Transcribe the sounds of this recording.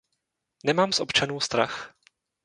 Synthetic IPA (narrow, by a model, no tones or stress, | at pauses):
nɛmaːmsʔopt͡ʃanuːst̪ɾa̰x